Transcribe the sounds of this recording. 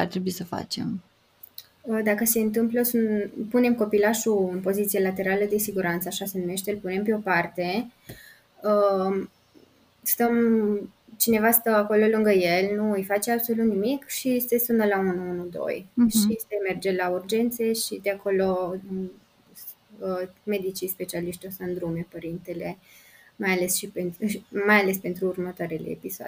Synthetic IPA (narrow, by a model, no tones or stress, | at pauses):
a̰rt̪ɾebuisəfa̰t͡ʃe̞̰m | əd̪akəse̞ɨnt̪ɨmpləsunpune̞mko̞pilaʃuɨnpo̞zit̪sielat̪e̞ɾaləd̪esiɡuɾant̪səaʃase̞nume̞ʃt̪elpune̞mpeo̞part̪e̞ | ə | st̪əm | t͡ʃine̞vast̪əako̞lo̞lɨŋɡəje̞lnuɨjfat͡ʃe̞abso̞lut̪nimikʃisesunəlaunuunud̪o̰jʃist̪eme̞rd͡ʒe̞laurd͡ʒe̞nt̪seʃid̪eako̞lo̞ | əme̞d̪it͡ʃispe̞t͡ʃialiʃt̪ʲosaɨnd̪ɾume̞pəɾint̪e̞le̞ | majale̞sʃipent̪majale̞spe̞nt̪ɾuːrmət̪oaɾelḛːpisoa̰d̪